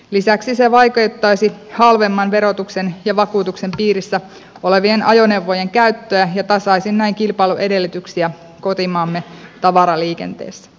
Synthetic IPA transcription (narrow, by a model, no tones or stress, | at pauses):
lisæksiseʋɑjket̪ːɑjsihɑlʋemːɑnʋe̞ɾo̞t̪uksenjɑʋɑkuːt̪ukse̞mpiːɾisːæ | o̞le̞ʋienɑjo̞ne̞wʋːoje̞ŋkæyt̪ːøæjɑt̪ɑsɑisinnæiŋkilpɑjluʔe̞de̞lːyt̪yksiæ | ko̞t̪imɑːmːet̪ɑʋɑɾɑliːke̞̰nt̪ḛːsːæ̥